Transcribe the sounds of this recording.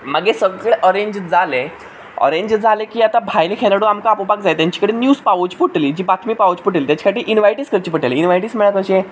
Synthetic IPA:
məɡesəɡeʔəɾeɲd͡ʑd͡zale | ɔ̰ɾeɲd͡ʑd͡zʱalekiːat̪abʱajlekʰelaɽoamkaːpobaɡd͡zajt̪jaɲt͡ɕi̥kəɽenjuːspaʋod͡ʑpuʈliːd͡ʑiːbat̪ʰmiːpaod͡ʑpuʈlit̪jat͡ɕi̥kʰaʈiːʔinʋajʈiːskəɾt͡ɕipəʈeleinʋajʈiːsməɭjakəɕe

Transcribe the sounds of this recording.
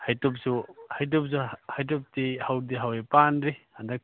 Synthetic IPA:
hajtɔp̚suhajt̬ɔp̚suhajt̬ɔp̚tihawdiɦawepanɾihandak̚

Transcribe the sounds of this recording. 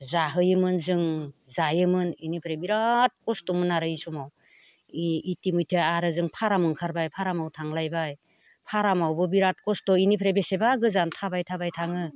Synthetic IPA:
zaɦɯjɯmɯnzɯŋzajɯmɯninipʰɾebiɾat̚kɔstɔmɯnaɾɯisumaw | itimujtʰeaɾɯzɯŋpʰaɾamɯŋkʰaɾbajpʰaɾamawtʰaŋlajbaj | pʰaɾamawbɯbiɾat̚kɔstɔinipʰɾebesebaɡɯzantʰabajtʰabajtʰaŋɯ

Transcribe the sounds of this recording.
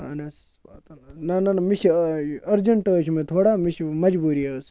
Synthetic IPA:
ɐ̰nɐs | at̪ɐnnɐnɐnmiʃʰɐɾd͡ʒɐɳʈəːʃʰmẽt̪ʰoːɽaːmiʃʰmɐd͡ʒbuːɾiɐs

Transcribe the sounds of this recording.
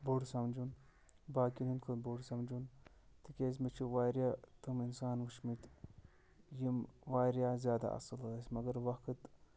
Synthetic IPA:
buɽsɐmd͡ʒun | baːkinunkʰobuɽsɐmd͡ʒun | t̪ikʲeːzmit͡ʃʰiʋaːɾʲjaːt̪uminsaːnʋuʃmit̪ | jimʋaːɾʲjaːzʲjaːd̪a̰ʔɐ̰sɨlɣɐsʲmɐɡɐɾʋɐkɨt̪

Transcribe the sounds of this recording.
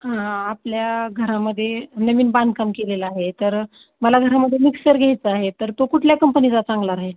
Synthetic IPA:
ɦãːpljaɡʱəɾaməd̪ʱːjenəʋiːnbãnd̪̚ʱkamkelelaaɦet̪əɾ | məlaɡʱəɾaməd̪ʱjemiksəɾɡʱjajt͡səaɦet̪əɾt̪okuʈʰljakəmpənit͡sat͡sãŋɡlaɾaɦel

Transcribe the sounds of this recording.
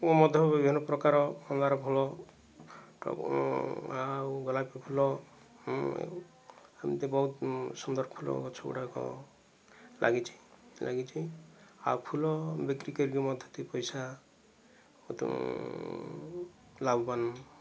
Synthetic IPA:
ɔmɔd̪ʱɔbibʱinɔpɾɔkaɾɔɔŋɡaɾɔpʰulɔ | ʈɔ̰k | awɡɔlajpepʰulɔ | amit̪ebɔɦut̪sɔnd̪ɔɾɔkʰulɔ̰kɔt͡ʃʰɔkṵʈakɔ̰ | lʔa̰ɡit͡ʃʰi̥la̰ɡit͡ʃʰiawkʰulɔbekɾikəɾɡiɔmɔd̪ʱjɔt̪ipɔjsa | ɔ̰t̪ | labban

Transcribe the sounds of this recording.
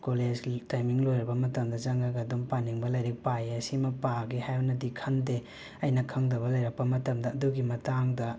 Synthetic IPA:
koled͡ʒtajmiŋlojɾɐbɐmɐtɐmdɐd͡ʒɐŋɡɐɡɐdompaniŋbɐlɐjɾik̚pajɐsimɐpaɡihajbɐnɐdikʰɐnde | ɐjnɐkʰɐŋdɐβɐlɐjɾɐk̚pɐmɐtɐmdɐːduɡimɐtaŋdɐ

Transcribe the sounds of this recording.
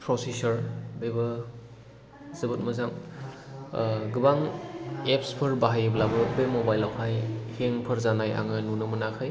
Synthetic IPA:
pɾɔsisɐɾbebɯ | zɯbɯt̚mɯzaŋ | ɡɯbaŋep̚spʰɯɾbaɦajeblabɯbemobajlawhʰajheŋpʰɯɾzanaja̰ŋɯnunɯmɯnakʰɯj

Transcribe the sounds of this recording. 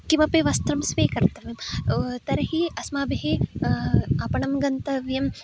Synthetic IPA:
kimɐpeʋɐst̪ɾɐmsʋeːkɐɾt̪ɐʋjɐmt̪ɐɾɐɦiɐsmaːbɦe | ɐpɐɳɐmɡɐnt̪ɐʋjɐm

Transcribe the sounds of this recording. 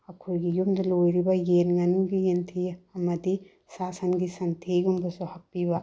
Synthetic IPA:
ɐkʰujɡijumdɐlojɾibɐjenɡɐnɡijentʰiɐmɐdi | sasɐnɡisɐntʰeɡumbɐsuhɐpːiβɐ

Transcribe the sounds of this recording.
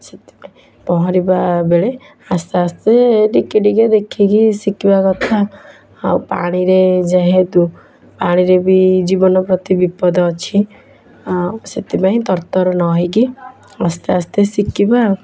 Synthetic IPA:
set̪i̥paĩ | pɔɦɔ̃ɾibabeɭe | ast̪east̪eʈikiɖiked̪ekʰikisikibakɔt̪ʰaː | wpa̰ɽ̃iɾed͡ʒaɦed̪u | paɽ̃iɾebid͡ʒibɔnɔpɾɔt̪ibipɔd̪ɔːt͡ʃʰi | set̪ipaɦĩt̪ɔɾt̪ɔɾɔnɔɦiki | ast̪east̪esikiba

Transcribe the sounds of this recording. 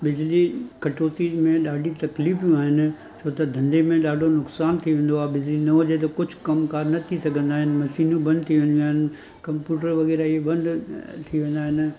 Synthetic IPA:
bɪd͡ʑlikɐʈoːt̪imẽɗaːɖʱit̪ɐkliːfijũaːɦɪnɪ̆ | t͡ɕʰoːt̪ɐd̪ʱɐ̃nd̪emẽɗaːɖʱonʊksaːnt̪ʰiʋẽːn̆d̪oaːɦebɪd͡ʑlinɐɦɐd͡ʑet̪̬ɐkʊd͡ʑʱʊ̥kɐmkaːɾnɐt̪ʰisɐɡʱə̃nd̪aːɦɪnɪ̆mɐʃiːnũbɐ̃nd̪̚ʱt̪ʰiʋẽːnd̪uaːɦɪnɪ | kɐ̃mpjuːʈəɾʋɐɣɛːɾaiebɐ̃nd̪ʱt̪ʰiʋẽːn̆d̪aːɦɪnɪ̆

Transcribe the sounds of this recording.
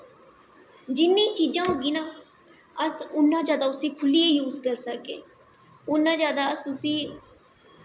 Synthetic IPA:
d͡ʒɪnːĩːt͡ʃiːd͡ʒãːɦoːɡiːnaː | əsʊnːãːd͡ʒjaːd̪aːʊsiːkʰʊliːeːjuːzkəɾsəkḛː | ʊnːãːd͡ʒjaːd̪aːəsʊsiː

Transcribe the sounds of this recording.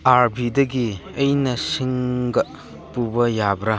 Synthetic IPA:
aɾbidɐɡiejnɐsiŋɡɐ | pubɐjabɾɐ

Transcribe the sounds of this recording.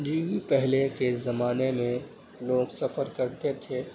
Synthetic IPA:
d͡ʒiːwipɛɦlekezɐmaːnemẽ | loːɡsɐfəɾkɐɾt̪et̪ʰeː

